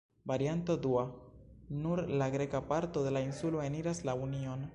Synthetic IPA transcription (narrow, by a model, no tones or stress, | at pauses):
vaɾiant̪od̪ua | nuɾlaɡɾe̞kapaɾt̪ode̞lainsuloeniɾaslaunion